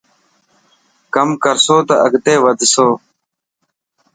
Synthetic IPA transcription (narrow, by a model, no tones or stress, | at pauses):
kəmkəɾsoːt̪ɐəɡt̪eːʋəd̪soː